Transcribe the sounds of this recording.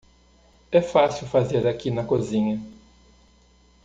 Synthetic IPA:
ɛfasiwfazeɾakinɐkozĩɲɐ

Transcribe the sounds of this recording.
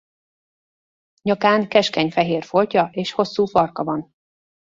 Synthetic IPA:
ɲɒkaːŋkɛʃkɛɲfɛɦeːrfolcɒʔeːʃho̞sːuːfɒrkɒvɒn

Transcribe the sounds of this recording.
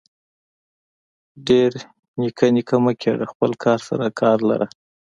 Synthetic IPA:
ɖeɾ | nikʰanikʰaməkʰeɽaxpəlkʰɑɾsa̰ɾakʰɑɾla̰ɾʔa

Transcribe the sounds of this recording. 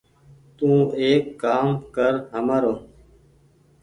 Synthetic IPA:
t̪ũːeːkːaːmkəɾɦəməɾoː

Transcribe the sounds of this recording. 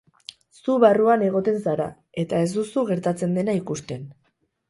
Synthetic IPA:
suβaruane̞ɣ̞o̞t̪e̞nsaɾa̰ | e̞t̪ae̞zd̪usuɣe̞ɾt̪at͡se̞nd̪e̞naikust̪e̞n

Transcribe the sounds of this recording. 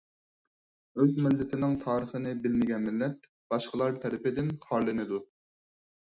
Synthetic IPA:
øzmɪlːɪt̪ʰɪnɪŋt̪ʰɑːɾəχənɪbɪlmɪɡʲɛnmɪlːɛt̪̚ | b̥ɑʃqəlˠɑɾt̪ʰɛɾɪpɪd̪ɪnχɑɾlˠɨnɨd̪u

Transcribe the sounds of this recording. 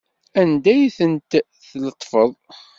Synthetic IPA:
ænd̪æjθənt̪ | θlət̪ˤːfəðˤ

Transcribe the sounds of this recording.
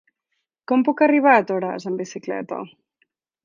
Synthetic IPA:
kɔmpukəriβ̞aːt̪oɾa̰zəmbisiklɛ̰t̪ɐ̰

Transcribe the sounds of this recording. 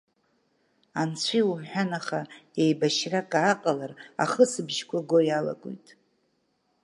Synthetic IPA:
ant͡sʷʰiwumħᶣanaχaejbaʃrakʼaːqʼalara̰χəsɨbʒkʷaɡʷojala̰ɡʼṵjtʼ

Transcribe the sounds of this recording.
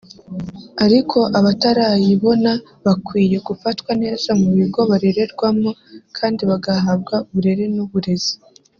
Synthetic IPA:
aɾikʰo̞ʔaβataɾajiβo̞na | βakwiːje̞ɡufatwane̞ːzamuβiɡo̞βaɾe̞ɾe̞ɾɡwamokʰaːndiβaɡaɦabɡauβuɾe̞ɾe̞nuβuɾe̞z̥i̥

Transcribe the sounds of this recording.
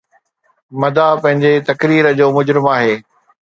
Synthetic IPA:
mɐd̪apɐ̃ɦɪ̃ɲd͡ʑet̪ɐkɾiːɾəd͡ʑoːmʊd͡ʑɾɪmaːɦeː

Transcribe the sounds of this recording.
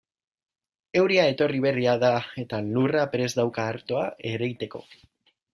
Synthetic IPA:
e̞wɾiae̞t̪o̞riβ̞e̞riaðae̞t̪alurapɾe̞zðawkaːɾt̪o̞aʔe̞ɾejt̪e̞ko̞̰

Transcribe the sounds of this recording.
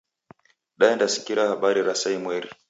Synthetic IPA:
ɗaɛndasi̥kiɾahaɓaɾiɾasaimwɛɾi

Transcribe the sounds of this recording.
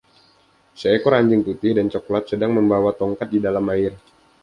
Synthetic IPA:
səɛkɔɾaɲd͡ʒɪŋput̪ɪhdant͡ʃokolat̪̚sədaŋməmbawat̪ɔŋkat̪̚didalamːaɪr

